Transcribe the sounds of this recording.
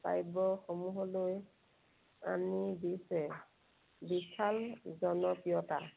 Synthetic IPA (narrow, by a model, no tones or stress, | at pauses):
sa̰jbɔxɔmuɦɔloj | a̰nidisɛ | bisalzɔnɔpiɔta̰